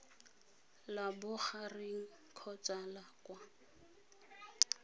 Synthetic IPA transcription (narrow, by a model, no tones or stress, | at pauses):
labʊχarɪŋ̩ | kʰɔt͡ʃʼalakwa